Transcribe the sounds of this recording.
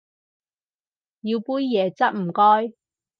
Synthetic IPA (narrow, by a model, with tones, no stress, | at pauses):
jiː˧wpuː˥jːɛː˨˧t͡sɐ˥t̚m̩˨˩kɔː˥j